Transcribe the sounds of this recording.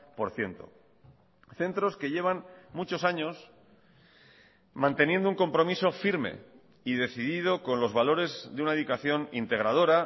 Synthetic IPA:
po̞ɾθje̞nt̪o̞ | θe̞nt̪ɾo̞ske̞ʝe̞β̞anmut͡ʃo̞saɲo̞s | mãnt̪e̞nje̞nd̪ouŋko̞mpɾo̞miso̞fiɾmḛ | iðe̞θiðið̞o̞ko̞nlo̞zβalo̞ɾe̞zðeunaeðukaθjo̞nḭnt̪e̞ɣ̞ɾað̞o̞ɾa

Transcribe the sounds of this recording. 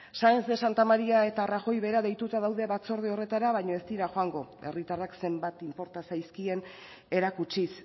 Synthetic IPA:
saesd̪esant̪amaɾiae̞t̪aːraʝo̞jβe̞ɾaðe̞jt̪ut̪aðawðe̞βat͡so̞ɾð̞io̞re̞t̪aɾaβaɲo̞e̞st̪iɾaxo̞aŋɡo̞e̞̰rit̪arakse̞mbat̪impo̞ɾt̪asajskie̞n | e̞ɾakut͡ʃis

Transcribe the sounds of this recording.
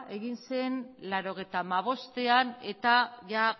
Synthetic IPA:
e̞ɣinse̞nlaɾo̞ɣ̞e̞jt̪aːmaβ̞o̞st̪e̞ane̞t̪aʝa

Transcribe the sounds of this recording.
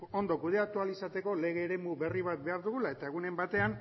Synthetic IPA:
o̞nd̪o̞kuð̞e̞ak̚t̪ualisat̪e̞ko̞le̞ɣ̞e̞ːɾe̞muβe̞riβ̞at̪̚be̞aɾðuɣ̞ulae̞t̪ae̞ɣ̞une̞mbat̪e̞an

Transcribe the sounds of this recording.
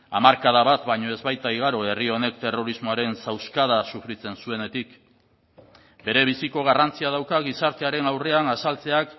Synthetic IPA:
a̰maɾkað̞aβat̪baɲo̞e̞zβajt̪aiɣ̞aɾo̞e̞rio̞ne̞kt̪e̞ro̞ɾizmo̞aɾe̞nsawskað̞asufɾit͡se̞nsue̞ne̞t̪ik | be̞ɾe̞β̞isiko̞ɣ̞arant͡siað̞awkaɣisaɾt̪e̞aɾe̞nawre̞anasalt͡se̞ak

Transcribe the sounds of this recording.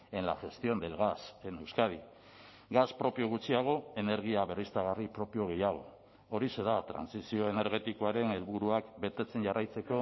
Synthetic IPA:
e̞nla̰ʝe̞st̪io̞nd̪e̞lɣase̞ne̞wskað̞i | ɡaspɾo̞pio̞ɣut͡siaɣ̞o̞e̞ne̞ɾɣ̞iaβe̞rist̪aɣ̞aripɾo̞pio̞ɣe̞jaɣ̞o̞ | oɾise̞ðat̪ɾa̰nsisio̞e̞ne̞ɾɣe̞t̪iko̞aɾe̞ne̞lβuɾuakbe̞t̪e̞t͡se̞nʝarʔajt͡se̞ko̞

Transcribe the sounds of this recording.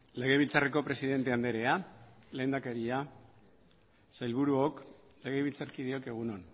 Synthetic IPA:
le̞ɣe̞βilt͡sareko̞pɾe̞siðe̞nt̪e̞and̪eɾe̞ale̞ːnd̪ake̞ɾia | sajlβuɾuok | le̞ɣe̞βilt͡saɾkiðio̞ke̞ɣ̞unon

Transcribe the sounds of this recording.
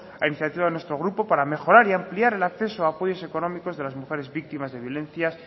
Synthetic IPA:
ainiθjat̪iβaðenwe̞st̪ɾo̞ɣ̞ɾupo̞paɾame̞xo̞ɾaɾiampliaɾe̞lakθe̞soaːpo̞ʝo̞se̞ko̞nõ̞miko̞zðe̞lazmuxe̞ɾe̞zβik̚t̪imazðe̞β̞jo̞lẽ̞nθjas

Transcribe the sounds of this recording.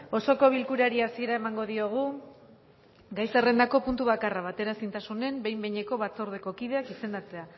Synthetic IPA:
o̞so̞ko̞β̞ilkuɾaɾiasie̞ɾae̞maŋɡo̞ð̞io̞ɣ̞u | ɡajsere̞nd̪ako̞punt̪uβakaraβ̞at̪e̞ɾasint̪asune̞mbe̞jmbeɲe̞ko̞βat͡so̞ɾð̞e̞ko̞kiðe̞akise̞nd̪at͡se̞a

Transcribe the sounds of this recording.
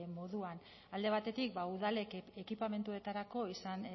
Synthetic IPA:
mo̞ðuan | ald̪e̞β̞at̪e̞t̪ik̚bauðale̞ke̞kipame̞nt̪ue̞t̪aɾako̞isan

